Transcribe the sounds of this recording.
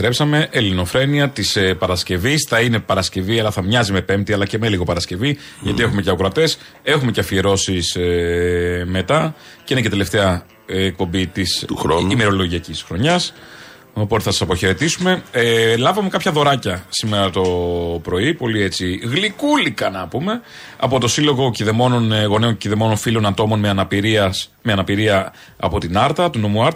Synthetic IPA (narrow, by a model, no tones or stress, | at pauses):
t̪ɾe̞psɐme̞ʔelino̞fɾe̞niɐt̪ispɐɾɐsce̞visθɐine̞pɐɾɐsce̞viɐlɐθɐmɲɐzime̞pe̞mp̚t̪iɐlɐce̞meliɣo̞pɐɾɐsce̞vi | ʝɐt̪ie̞xumeceɐkɾɐt̪e̞s | e̞xume̞ceɐfieɾo̞sis | me̞t̪ɐceinecet̪ele̞ft̪eɐː | k̚po̞mbit̪isɾimeɾo̞lo̞ʝiɐcisxɾo̞ɲɐs | o̞p̞t̪eθɐsɐ̥sɐpo̞çe̞ɾe̞t̪isume̞lɐvɐmekɐpçɐðo̞ɾɐcɐsime̞ɾɐt̪o̞pɾo̞ipo̞lie̞t͡siɣlikulikɐnɐpume̞ | ɐ̰po̞t̪o̞silo̞ɣo̞ciðemo̞no̞nɣo̞neonciðe̞mo̞no̞nfilo̞nɐt̪o̞mo̞nmeɐnɐpiɾiɐs | meɐnɐpiɾiɐ | ɐ̰po̞t̪inɐɾt̪ɐt̪uno̞muɐɾt̪